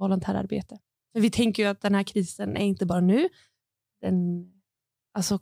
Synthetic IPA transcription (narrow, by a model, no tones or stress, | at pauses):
ɔlʊnt̪ʰæːɾa̰ɾbḛːt̪ə | fœɾvɪt̪ʰɛŋkəɾjɵat̪̚d̪ɛnhæːɾkʰɾiːsənæ̰ɾɪnt̪əbɑːɾanʉ̟ː | d̪ɛn | alsɔ